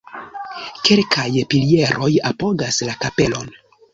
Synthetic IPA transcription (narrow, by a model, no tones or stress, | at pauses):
kelkʰajpilie̞ɾʔo̞japo̞ɡaslakape̞lo̞n